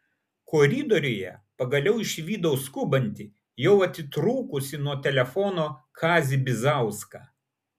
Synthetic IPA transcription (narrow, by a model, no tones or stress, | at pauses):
koːɾʲɪːd̪ɔɾʲɪjɛ̰pɐɡɐlʲɛʊɪʃʲʋʲiːd̪ɐʊskʊbɐnʲt̪ʲɪ | jɛʊɐt̪ʲɪt̪ɾuːkʊsʲɪnuɔt̪ʲɛlʲɛfɔːnoːkʰɑːzʲɪbʲɪzɑˑʊskɑː